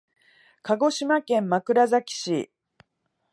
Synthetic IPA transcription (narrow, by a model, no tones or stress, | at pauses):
kaɡo̞ɕimakẽ̞mːakɯ̟ɾazakʲi̥ɕi